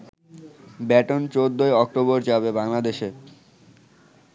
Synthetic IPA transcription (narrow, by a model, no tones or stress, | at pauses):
bɛʈont͡ɕod̪ːoeɔk̚ʈoboɾd͡ʑabebaŋlad̪eʃe